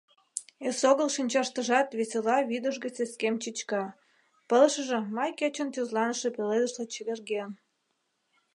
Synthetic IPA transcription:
esoɣəlʃinʲt͡ɕɑʃt̪əʒɑt̪βesʲelɑβid̪əʃɣet͡seskemt͡ɕit͡ɕkɑ | pəlʃəʒĕmɑjket͡ɕə̆nt̪øzlɑnəʃepeled̪əʃlet͡ɕeβerɣen

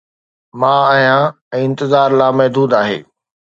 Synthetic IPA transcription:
mãːaːɦjã | ɛ̃ːɪ̃nt̪ɪzaːɾlaːmɐɦd̪uːd̪aːɦḛː

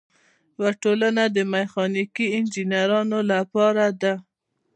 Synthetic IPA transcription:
waʈolanad̪əmaxɑnikiɪnd͡ʒinjaɾɑnolapɑɾad̪a

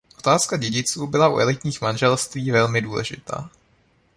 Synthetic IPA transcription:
ʔo̞̥t̪aːskaɟɛɟɪt͡suːbɪlaʔṵʔɛlɪt̪ɲiːxmanʒɛlst̪viːvɛlmɪduːlɛ̰ʒɪ̰t̪a̰ː

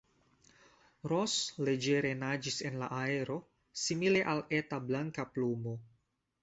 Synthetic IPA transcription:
ɾosle̞d͡ʒeɾe̞nad͡ʒise̞nla̰ʔaeɾo̞ | simile̞ʔaletablaŋkaplumo̞

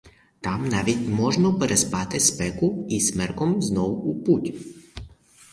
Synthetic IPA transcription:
t̪amnaʋʲit̪ʲmɔʒnɔpɛɾɛspat̪ɪspɛkʊismɛɾkɔmznɔwuputʲ

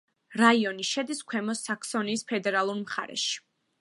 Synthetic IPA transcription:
ɾaiɔniʃɛd̪iskʰwɛmɔsakʰsɔniːspʰɛd̪ɛɾalˠuɾmχa̰ɾɛ̰ʃi̥

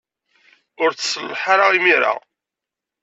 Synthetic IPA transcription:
ʊɾθsəlːħaɾaʁimiɾa̰

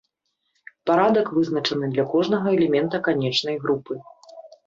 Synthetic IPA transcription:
paɾad̪ɐkvɨznɐt͡ʂɐnɨd̪lʲɐkɔʐnɐɣɐɛlʲɛmʲɛnt̪ɐkanʲɛt͡ʂn̪ɐjɣɾupɨ

